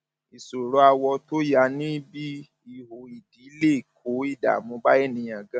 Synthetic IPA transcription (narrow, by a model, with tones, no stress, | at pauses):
i˨so˨ɾo˨˦a˧wɔ˧to˦ja˨˦nĩ˦bi˦ | i˨ɦo˨i˨di˨˦le˦˨kʰo˨˦i˦˨da̰˨mõ˨˧˦ba˦e˦˨nĩ˧j̃ã˨ɡã˦